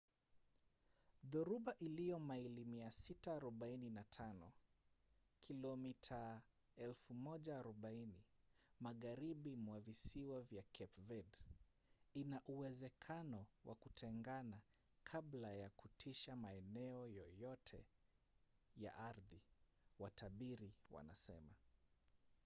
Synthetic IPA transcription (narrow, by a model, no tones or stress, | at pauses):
ðuɾuɓaʔilijɔmailimiasitaːɾɔɓaininatʰanɔ | kʰilɔmitʰa | ɛlfumɔʄaːɾɔɓainimaɣaɾiɓimwavisiwavjakʰɛpvɛd | inaʔuwɛzɛkʰanɔwʔa̰kutʰɛŋɡana | kʰablajakutʰiʃamaɛnɛɔjɔjɔtʰɛ̰ | ja̰ʔaɾði | watʰaɓiɾiwa̰na̰sɛma